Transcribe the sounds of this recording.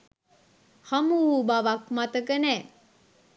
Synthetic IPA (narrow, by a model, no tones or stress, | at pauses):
hamuɦubaʋakmat̪əkənɛ